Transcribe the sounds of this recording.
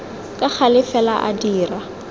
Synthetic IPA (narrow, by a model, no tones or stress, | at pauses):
kʼak͡xʰalɪfɛlaʔadiːra